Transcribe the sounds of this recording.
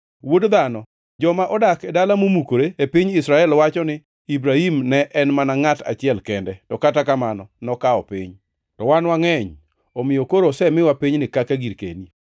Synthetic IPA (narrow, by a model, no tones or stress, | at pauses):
wodd̪anɔ | d͡ʒɔmaʔɔdakɛdalamomukoɾeepɪɲɪsɾaɛlwat͡ʃɔnɪ | ibɾahimnɛʔɛnmanaŋata̰t͡ʃɪɛlkɛndɛtɔkatakamanɔnɔkaɔpɪ̰ɲ | tɔwanwaŋɛɲ | omɪjokoɾɔsɛmɪwapɪɲnɪkakaɡiɾkḛni